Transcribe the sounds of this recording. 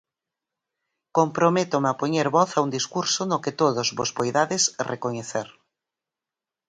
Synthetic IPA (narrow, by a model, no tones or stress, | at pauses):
kompɾomet̪omapoɲeɾβɔθaund̪iskuɾsonoket̪oðozβozβojðaðesrʔekoɲeθeɾ